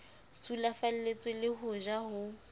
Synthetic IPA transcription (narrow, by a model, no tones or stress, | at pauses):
sulafal̩let͡sʼɛlɪhʊʒaɦʊ